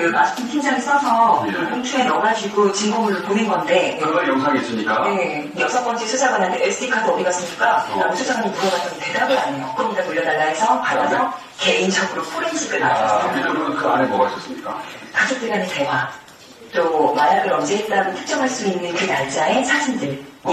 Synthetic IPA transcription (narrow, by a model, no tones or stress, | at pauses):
ɯmad͡ʑu̥t͈ʰɯntʰiŋd͡ʑaŋisʰʌsʰʌkʰuŋt͡ɕʰue̞nʌmad͡ʑiɡot͡ɕimmumɯɾponɯnɡʌnde̞ɯʌjʌŋsʰaŋes͈ɯmɲit͈a̰e̞ | jʌsʰʌp͈ʌnd͡ʑiesʰod͡ʑʰaɡanantʰeeɭs͈ʰɯdʰikʰadoʌbiɡas͈ʰɯmik͈anamut͡ɕʰod͡ʑʰaŋɯmuɾʌɡat͈ʌnte̞dabɯaɲejokɯɾʌmɲidamuʎːʌdaɭːaɦesʰʌpadasʰʌ | ke̞int͡ɕʰʌɡɯɾopʰoɾensʰɯdɯna̰asʰɯɾoɯnkɯa̰nemʌɡʌɕ͈ʌs͈ɯmɲik͈a̰kad͡ʑok̚t͈eɡanete̞wa | t͈omajaɡɯɾʌnd͡ʑe̞ɦet͈aɡotʰɯ̥k̚t͡ɕ͈ʌŋɦaɭs͈uinːɯnkɯtaɭt͡ɕ͈ae̞sʰad͡ʑʰimdɯɭ